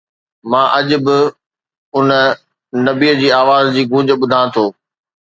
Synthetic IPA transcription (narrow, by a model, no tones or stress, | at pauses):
mãːʔɐʄʊ̆bɪ | ʊnə | nɐbiːəd͡ʑiːaːʋaːzd͡ʑiːɡʱũːd͡ʑə̆ɓʊd̪ʱãːt̪ʰoː